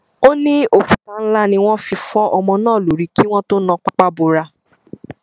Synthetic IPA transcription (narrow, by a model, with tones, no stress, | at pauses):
o˦nĩ˦o˨kũ˨ka˦˧n̩˦la˦nĩ˧w̃ɔ̃˦fi˧fɔ˦ʔɔ˧mɔ̃˧nãː˦˨lo˨ɾi˧ki˦w̃ɔ̃˦to˦nã˧k͡pa˦k͡pa˦bo˧ɾa˧